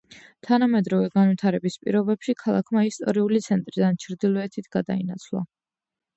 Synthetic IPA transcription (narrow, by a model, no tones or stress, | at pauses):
t̪ʰanamɛd̪ɾɔvɛɡanvit̪ʰaɾɛbispʼḭɾɔbɛpʃikʰalˠakʰmaist̪ʼɔɾiulit̪sʰɛnt̪ʼɾid̪ant͡ʃʰɾd̪ilˠɔɛt̪ʰit̪ʰɡ̥ad̪a̰inat̪sʰlˠa̰